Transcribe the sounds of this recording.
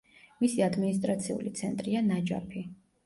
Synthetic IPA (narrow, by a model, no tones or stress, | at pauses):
misiad̪minis̬t̪ʼɾat̪sʰiṵlit̪sʰɛnt̪ʼɾianad͡ʒa̰pʰi